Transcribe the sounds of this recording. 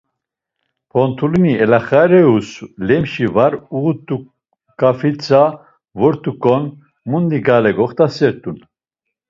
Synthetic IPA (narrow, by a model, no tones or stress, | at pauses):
pʰɔnt̪ʰuliniɛlaχaɾɛuslɛmʃivaɾuɣut̪u | kʼafit͡sʰʼa | vɔɾt̪ʰʼukʼɔn | mund̪iɡalɛɡɔχt̪ʰasɛɾt̪ʼun